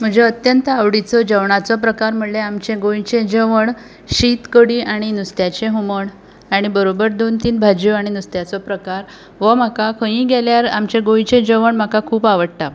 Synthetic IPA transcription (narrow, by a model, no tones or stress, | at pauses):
m̤əd͡ʑeət̪jənt̪əaʋɽit͡sɔd͡ʑəʋɳat͡sɔpɾəkaɾm̤əɽleamt͡ɕẽɡoĩt͡ɕẽd͡ʑəʋəɳ | ɕit̪kəɽiʔaɽ̃inust̪jat͡ɕeɦuməɳ | aɽ̃ibəɾobəɾd̪ont̪iːnbʱad͡ʑiaɽ̃inust̪jat͡sɔpɾəkaɾ | ʋəmakakʰə̃ĩɡeljaɾamt͡ɕeɡoj̃t͡ɕẽd͡ʑəʋəɳm̤akakʰuːpaʋəɽʈ̪a